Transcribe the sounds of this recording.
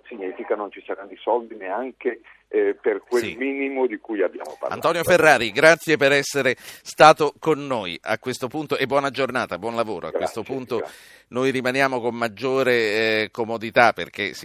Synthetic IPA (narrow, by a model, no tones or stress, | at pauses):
siɲːiːfikanont͡ʃisaɾand̪isɔld̪ineaŋke | perkwesmiːnimod̪ikujabːja̰ːmo̰pa̰a̰nt̪ɔːnjoferːaːɾiɡɾat̪sːjepeɾɛsːeɾest̪aːt̪okonːoːja̰kːwest̪opunt̪oʔebːwɔːnad͡ʒornaːt̪abwɔnlavoːɾʔoakkwest̪opuntt̪o | nojɾimanjaːmokomːad͡ʒːoːɾekomod̪it̪apːḛrk̟esi